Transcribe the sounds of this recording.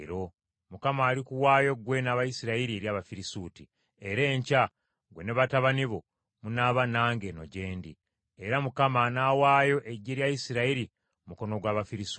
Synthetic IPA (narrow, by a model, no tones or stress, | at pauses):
ɾo̞ | mukamaːɾikuwaːjo̞ɡwe̞naːβajisiɾaiɾieɾjaːβafiɾisuːti | e̞ɾe̞ːɲca | ɡwe̞neβataβaniβo̞ | munaːβanaːŋɡe̞no̞̰ɟe̞ːndi | eɾamukamanaːwaːjo̞ʔeɟeɾjajisiɾaiɾi | muko̞no̞ɡwaːβafiɾis